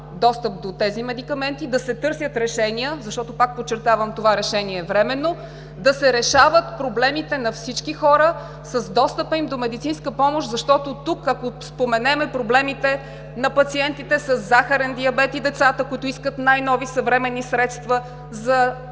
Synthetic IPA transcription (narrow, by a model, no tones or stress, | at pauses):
d̪ɔst̪əp̚d̪ot̪ɛzimɛd̪ikɐmɛnt̪id̪ɐsɛt̪ɤɾsʲət̪ɾɛʃɛnijəzɐʃt̪ɔt̪opak̚pot͡ʃːɛɾt̪avəmt̪ovaɾɛʃɛniɛvɾɛmɛnːo | d̪ɐsɛɾɛʃavət̪pɾoblɛmit̪ɛnɐfsit͡ʃkixɔɾə | səzd̪ɔst̪əpəimd̪omɛd̪it̪sinskəpɔmoʃzɐʃt̪ɔt̪ot̪ukɐkospomɛnɛmɛpɾoblɛmit̪ɛ | nɐpɐt̪siɛnt̪it̪ɛsəszːaxɐɾɛnd̪iɐbɛt̪id̪ɛt̪sat̪əkʊit̪oiskət̪najnɔvisəvɾɛmɛnːisɾɛt̪st̪və | zɐ